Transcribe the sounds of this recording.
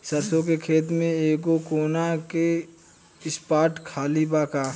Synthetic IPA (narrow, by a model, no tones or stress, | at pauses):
səɾsõk̬ekʰeːt̪mẽeːk̬okoːnake | ɪspaːʈkʰaːlibaːkaː